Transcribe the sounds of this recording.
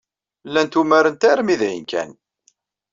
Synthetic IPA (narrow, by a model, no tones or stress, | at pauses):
lːænt̪umæɾənt̪æɾmiðjə̰nkæ̰n